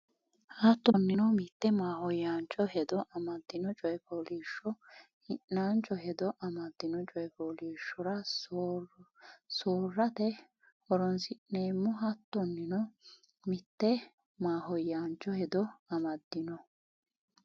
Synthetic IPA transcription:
hɐt̪ːɔnːɪnɔmɪt̪ːɛmaːhɔjːaːnt͡ʃʼːɔɦɛd̪ɔʔɐmɐd̪ːɪnɔt͡ʃʼɔjɛpɔliːʃːɔ | hɪnːaːnt͡ʃʼɔɦɛd̪ɔʔɐmɐd̪ːɪnɔt͡ʃʼɔjpoːliːʃːɔɾɐ | soːrːɐt̪ɛ | hɔɾɔnsɪʔneːmːʊɦɐt̪ːɔnːɪnɔ | mɪt̪ːɛ | maːɦɔjːaːnt͡ʃʼːɔhɛd̪ɔɐmɐd̪ːɪnɔ

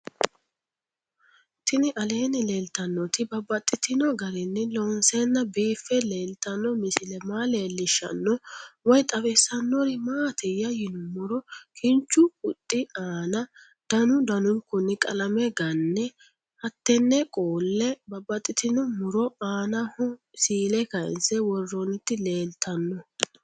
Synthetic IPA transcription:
t̪ɪnɪʔɐle̞ːnɪle̞ːlt̪ɐnːɔt̪ɪbɐbːɐt̪ʼːɪt̪ɪnɔɡɐɾɪnːɪlɔnsenːɐbiːfːɛle̞ːlt̪ɐnːɔmɪsɪlɛmaːleːlːɪʃːɐ̰nːɔwɔjt̪ʼɐwɛsːɐnːɔɾɪmaːt̪ʰɛjːɐjɪnʊmʊɾɔkʰɪnt͡ʃːʊʊt̪ʼːɪaːnɐ | d̪̥ɐnʊd̪ɐnʊŋkʊnːɪkʼɐlɐmɛɡɐnːɛ | hɐt̪ːɛnːɛkʼoːlːɛbɐbɐt̪ʼːɪt̪ɪnɔmʊɾɔaːnɐhɔ | siːlɛkɐɪ̰nsɛwɔrːɔnɪt̪ːɪle̞ːlt̪ʰːɐnːɔ

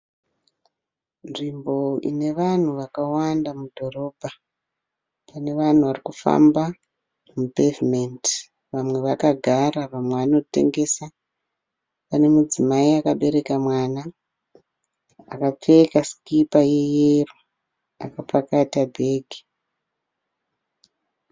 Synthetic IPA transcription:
nʐimbo̞ḭne̞ʋan̤uʋakawandamudʱo̞ro̞ːbʱa | pane̞ʋan̤uʋarikufa̰mba | mupeviment | ʋamwe̞ʋakaɡʱaraʋamweano̞tḛŋɡe̞sa | pane̞mud͡zimaiakaɓe̞ɾe̞kamwaːna | a̰kap͡fekaskipaje̞jero | a̰kapakatabʱe̞ːɡʱi

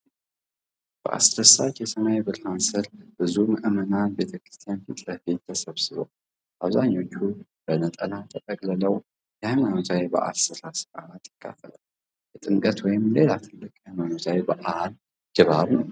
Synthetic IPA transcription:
b̥ɨʔa̰sɾɐsat͡ʃjɛsɐnajbɨɾħansɨlb̥ɨzumɨʔɨmɐnanbe̞t̪ʰɐkɾɨ̥st̪ʰijanfɨt̪ʼlɐhbit̪ʰːɐsɐβsɨβo̰ | ʔaβzaɲːo̞t͡ʃːub̥ənɐt̪ʼɐlat̪ʰɐt̪ʼɐkʼlɐlɐw | jhajmanozajbɨ̰ʔa̰lsɨsasɨ̥ɡalat̪ːɨ̥kʰːa̰fʰɐlɐw | jɛt̪ʼɨŋkʼɐt̪wɔjɪmle̞lat̪ʰɨlːɨkʼhajmanozajbɨʔahl | ɡ̥ɨβaβ

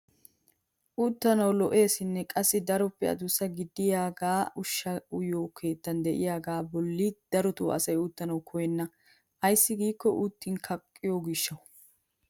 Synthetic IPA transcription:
ʔut̪ːɐnɐwlɔʔe̞ːsɪnːɛkʼɐsːɪd̪ɐɾɔpːɛɐ̰d̪ʊsːɐɡɪd̪ːɪjaːɡaːʊʃːɐʊjoːkʰe̞ːt̪ːɐnd̪ɛʔɪjaːɡaːbɔlːid̪̥ɐɾɔt̪uːɐ̰sɐjʊt̪ːɐnɐwkʰɔjɛnːɐ | ʔɐjsːɪɡiːkːɔʔut̪ːɪnkʰɐkʼːɪjoɡɪʃːɐw

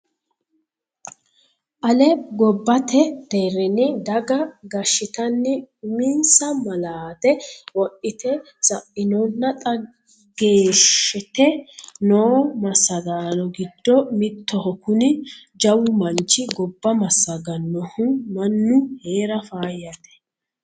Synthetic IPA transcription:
ʔɐlɛɡɔbːɐt̪ɛt̪eːɾɛnɪd̪ɐɡɐɡɐʃːɪt̪ɐnːɪʊmɪnsɐmɐlaːt̪ɛwɔʔɪt̪ɛ | sɐʔɪnɔnːɐt̪ʼɐ | ɡeːʃɛt̪ɛnoːmɐsɐɡ̪aːlɔɡɪd̪ːɔmɪt̪ːɔhɔkʊnɪd͡ʒɐwʊmɐnt͡ʃɪɡɔbːɐmɐsːɐɡɐnːɔhʊmɐnːʊheːɾɐfaːjɐt̪ɛ̥

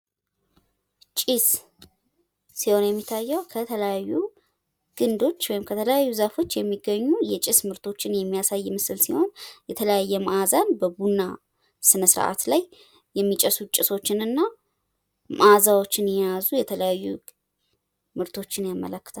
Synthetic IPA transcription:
t͡ʃʼis | siho̞njɛmːit̪ʰːajːɛwkʰət̪ʰələjajːu | ɡ̥ɨnd̪o̞t͡ʃːwɔjɪmkʰət̪ʰələjajːuzafo̞t͡ʃːjɛmːiɡːəɲːujɛt͡ʃʼɪsmɨɾt̪ʰo̞t͡ʃːɪnjɛmːijasajːmɨsɨlsiho̞njɛt̪ʰələjajːɛmʔazanbəbunːa | sɨnəsɨɾ̰ʔa̰t̪laj | jɛmːit͡ʃʼəsut͡ʃʼɪso̞t͡ʃːɪnɨnːa | mʔazawo̞t͡ʃːɪnjɛjazujɛt̪ʰələjajːu | mɨɾt̪ʰo̞t͡ʃːɪnjamːə̰ləkːɨ̥t̪ʰal

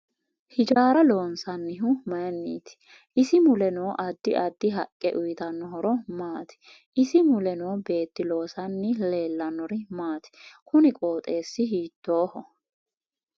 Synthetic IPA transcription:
hɪd͡ʒaːɾɐlo̞ːnsɐnːɪɦʊmɐjɐnːḭːt̪ɪ̥ | ʔɪsɪmʊlɛnoːʔɐd̪ːɪʔɐd̪ːɪɦɐkʼːɛʔʊjɪt̪ɐnːɔɦɔɾɔmaːt̪ɪ̥ | ʔɪsɪmʊlɛnoːbe̞ːt̪ːɪlo̞ːsɐnːɪle̞ːlːɐnːɔɾɪmaːt̪ɪ̥kʊnɪkʼo̞ːt̪ʼe̞ːsːɪɦiːt̪ːoːhɔ

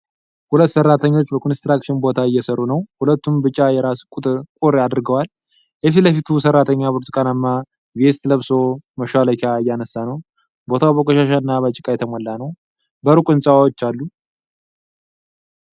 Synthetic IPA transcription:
hulət̪ːsərːat̪ʰəɲːo̞t͡ʃːbəkʰonst̪ɾakʃɪnbo̞t̪ʰaɨjːɛsəɾːunəwhulət̪ːumbɨt͡ʃʼːajɛɾaskʼut̪ʼɨɾkʼuɾad̪ɨɾɡəwal | ʔɛfiləfit̪ʰusərːat̪ʰəɲːapoɾt̪i̥kʼanamːa | vest̪ləβso̞məʃaləkʰaɨjːanəsːanəw | bo̞t̪ʰawbəkʼoʃaʃaɨnːabat͡ʃʼːɪkʼajɛt̪ʰəmɔlːanəw | bəɾukʼɨnsʼawawot͡ʃːalːu

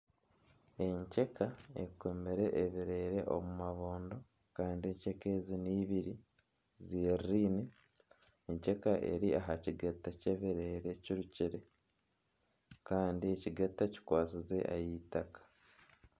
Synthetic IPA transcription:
e̞ɲce̞kʰae̞̰komiɾe̞ʔːβiɾeːɾe̞ʔo̰mumaβoːndo̞ | kaːndieːɲce̞ke̞ziniːβiɾi | ziɾɾiːne | eɲce̞kaʔe̞̰ɾiaɦaciɡatːace̞βiɾeːɾe̞ciɾuciɾe̞ | kaːndieciɡatːaci̥kwaːt͡size̞̰ʔa̰jitakḁ

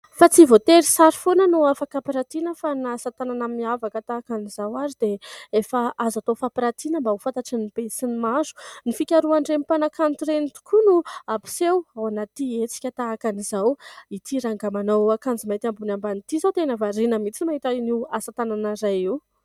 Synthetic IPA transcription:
fat͡sivot̪eɾisaɾifonənuafakapiɾat̪inəfanasat̪ananammiavakət̪aːkanizawaɾid̪eefaʔazat̪ofapiɾat̪inəmbaufat̪aʈ͡ʂinib̥esinimazu̥nifikʲaɾuaɳɖ͡ʐenipanakʰant̪uɾenit̪u̥kʰunuapi̥sewawanat̪iet͡si̥kʲət̪aːkanizawit̪ʰiɾaŋɡamanowakand͡zimat̪ambunambanit̪izawt̪enəvaɾinəmit͡simaɦit̪ainiwasat̪ananəɾajiw

